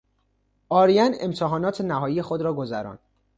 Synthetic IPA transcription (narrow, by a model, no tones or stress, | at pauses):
ʔɒːɾijænḛmt̪ʰeɦɒːnɒːt̪ʰenæɦɒːjije̞xod̪ɾɒːɡo̞zæɾɒ̰ːnd̪̥